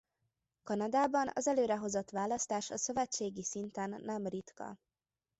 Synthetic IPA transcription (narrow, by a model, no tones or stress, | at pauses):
kɒnɒd̪aːbɒnɒ̰zɛløːɾɛɦo̞zo̞t̪ʋaːlɒst̪aːʃɒsø̞vɛt͡ʃːeːɡisint̪ɛnːɛmrit̪kɒ̰